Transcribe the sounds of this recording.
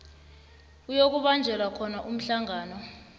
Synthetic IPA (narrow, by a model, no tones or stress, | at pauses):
ujok̬uɓand͡ʒʱɛlwakʰɔnaʔum̩ɬaŋaːnɔ